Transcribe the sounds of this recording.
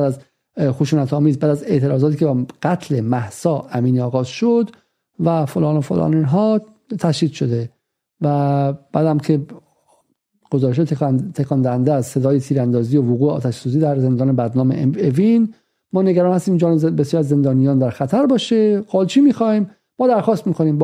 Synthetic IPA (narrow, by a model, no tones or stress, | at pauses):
æd̪æz | xoʃuːnæt̪ʰɒːmiːzbæːd̪æze̞ʔt̪ʰeɾɒːzɒːt̪ʰiːcʰʲebɡ̥æt̪ʰlemæhsɒːʔæmiːniːɒːɣɒːzʃod̪ | væfolɒːnofo̰lɒ̰ːninɦɒː | t̪ʰæʃiːd̪ʃo̞d̪e | væb̥æːd̪æmkʰe | ɡ̥ozɒːɾeʃ̬ɑːt̪ʰekʰɒːnd̪æhænd̪eæzse̞d̪ɒːjet̪ʰiːɾænd̪ɒːziːovoɣuːeɒ̰ːt̪ʰæʃsuːziːd̪æɾze̞nd̪ɒːnebæd̪nɒːmḛevin | mɒːneɡæɾɒːnhæst̪iːmd͡ʒɒːnebesjɒːɾiæzːe̞nd̪ɒːnijɒːnd̪æɾxæt̪ʰæɾbɒːʃeɡɑːlt͡ʃʰiːmiːxɒːhiːm | mɒːd̪æɾxɒːst̪miːkʰo̞niːmb